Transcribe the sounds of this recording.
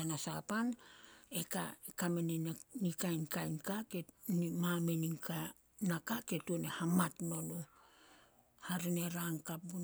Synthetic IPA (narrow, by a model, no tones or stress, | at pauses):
anasapaneka̰ekameninnikajnkajnkakenimameniŋka | nakake̞tuonehamatno̞no | haɾine̞ɾaŋkap̚bun